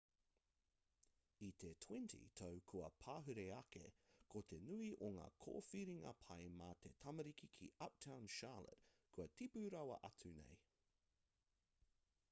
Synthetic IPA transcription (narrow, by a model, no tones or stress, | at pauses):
it̪ʰetʰw̥ɛntʰḭtʰowkʰuɐpʰaːɦʉɾeɐkḛkʰot̪ʰe̞nʉiʔoŋa̰ːkʰo̰ːfiɾiŋɐ̰pʰɐjmat̪ʰetʰɐmɐɾikikʰiɐp̚tʰãw̃nʃaːlə̰t | kʰʉɐtipʉɾɐwɐ̰ʔɐt͡sʉnḛj